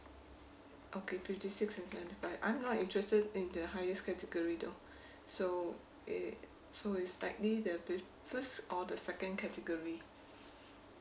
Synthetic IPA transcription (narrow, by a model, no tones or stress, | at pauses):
ʔokʰefɪftisiksɛ̃nsɛvə̃ntifaɪvʔã̰ɪ̃mnɔtĩntɹɛstədĩndəhaɪəskɛtəɡɔɹido | so | soɪtsla̰ɪk̚lidəf | fəstʔɔdəsɛkə̃nkʰɛtəɡɔɹi